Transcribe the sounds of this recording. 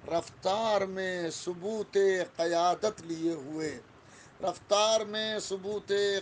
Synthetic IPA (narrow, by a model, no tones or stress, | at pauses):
ɾɐft̪aːɾmẽsʊbuːt̪eqɪjaːd̪ət̪lieɦʊeː | ɾɐft̪aːɾmẽsʊbuːt̪e